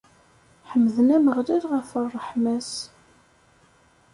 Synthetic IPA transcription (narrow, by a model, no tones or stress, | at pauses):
ħəmːðənæməʁlælʁəfərˤːəħmæs